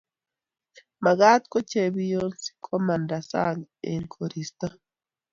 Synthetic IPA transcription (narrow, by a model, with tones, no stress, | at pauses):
ma˨ɡa˦tko˦ce˨βi˦jonsi̥kʰo˦ma˨nda˨sa̰ŋɡeŋkʰo˨ɾi˨sta˦